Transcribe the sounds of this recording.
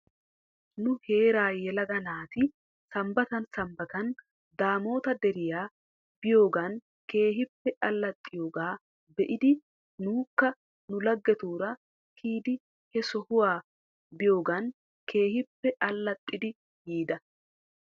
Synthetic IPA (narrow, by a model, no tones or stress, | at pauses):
nʊhe̞ːɾaːjɛlɐɡɐnaːt̪ɪ | sɐmbɐt̪ɐnsɐmbɐt̪ɐn | d̪aːmo̞ːt̪ɐd̪ɛɾɪjaː | b̥ɪjo̞ːɡɐn | ke̞ːɦɪpːɛʔɐlːɐt̪ʼːɪjo̞ːɡaː | bɛʔɪd̪ɪ | nuːkːɐ | nʊlɐɡːɛt̪uːɾɐ | kʰiːd̪ɪ | hɛsɔhʊwaː | bɪjo̞ːɡɐn | kʰe̞ːhɪpːɛʔɐlːɐt̪ʼːɪd̪ɪ | jiːd̪ɐ